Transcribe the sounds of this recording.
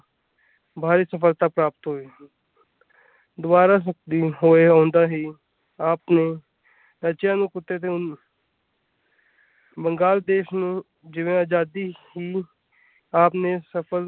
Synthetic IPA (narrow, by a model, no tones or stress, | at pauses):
bʱaːɾiːsəfəlt̪aːpɾaːp̚t̪ɦoːeː | d̪ʊbaːɾaːs̬ək̚d̪iːɦoːeãːnd̪aːɦiː | aːpneː | ɾət͡ʃjãːnũːkʊt̪ːeːt̪eʊ | bəŋɡaːld̪eːʃnũː | d͡ʒɪʋẽaːd͡ʒaːd̪iːɦiː | aːpneːsəpʰəl